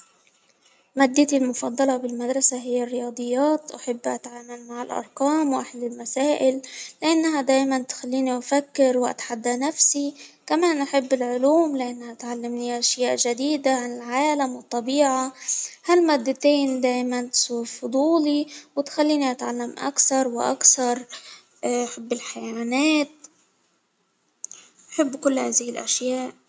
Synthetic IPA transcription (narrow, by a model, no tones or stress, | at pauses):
maːd̪ːat̪ilmʊfɑd̪ˤːɑlɑbɪlmad̪ɾˤɑsaɦɪjːarːɪjɑːd̪ˤɨjːɑːt̪ʔaħɪbːʔa̰t̪ʕaːmalmaʕɪlʔɑ̰ɾˤqɑːmwʔaħalːɪlmasaːʔɪlːɪʔanːaɦad̪aːjmant̪xalːiːniʔafakːɪɾwʔa̰t̪ħad̪ːanafsikamaːnʔaħɪbːɪlʕʊluːmlɪʔanːhaʔt̪ʕalːamniʔaʃjaːʔʒad̪iːd̪aʕanɪlʕaːlamwɪt̪ˤːɑbiːʕahalmaːd̪ːat̪eːnd̪aːjmant̪suːɾfʊd̪ˤuːliwɪt̪xalːiːniʔat̪ʕalːamʔa̰kθɑɾˤwɪʔa̰kθɑɾˤ | ʔaħɪbːɪlħajaaːneːt̪̚ | ʔaħɪbːkʊlːhaːzɪhɪlʔa̰ʃjaːʔ